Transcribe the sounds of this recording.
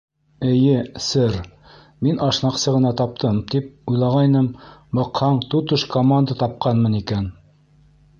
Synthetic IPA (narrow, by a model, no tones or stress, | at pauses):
ɘ̆jɘsɘɾ | minʔɑʃnɑqsɤʁɤ̆nɑt̪ɑp̚t̪ʰɤmt̪ip̚ujlˠɑʁɑjnɤmbɑqhɑɴt̪ut̪ɤʃkomand̪at̪ɑp̚qɑnmɤnikæn